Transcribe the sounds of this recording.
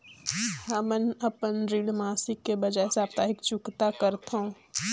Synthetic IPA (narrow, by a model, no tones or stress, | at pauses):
haːmənɐpənɾiɽmaːsɪkːebɐd͡ʒaːeseaːp̚t̪aːɦɪkt͡ʃʊkt̪akɐɾt̪õ